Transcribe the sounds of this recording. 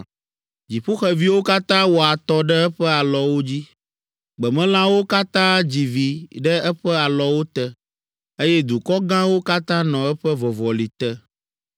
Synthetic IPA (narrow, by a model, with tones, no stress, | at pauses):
d͡ʑi˨ɸo˦xɛ˨vi˦wo˦ka˦t̪ã˦wo˨a˨t̪ɔ˦ɖɛ˦ɛ˦ɸɛ˦a˨lɔ˨wo˦d͡ʑi˦ | ɡ͡bɛ˨mɛ̃˦l̃ã˦wo˦ka˦t̪ã˦d͡ʑi˨vi˨ɖɛ˦ɛ˦ɸɛ˦a˨lɔ˦wo˦t̪ɛ˦ | e˦jɛ˦d̪u˨kɔ˦ɡã˦wo˦ka˦t̪ã˦nɔ̃˨ɛ˦ɸɛ˦vɔ˨vɔ˨li˨t̪ɛ˦